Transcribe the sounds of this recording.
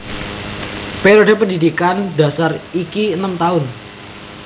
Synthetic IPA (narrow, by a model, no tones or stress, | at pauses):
peɾodepəndidikanda̤sarikiənəmt̪aʊn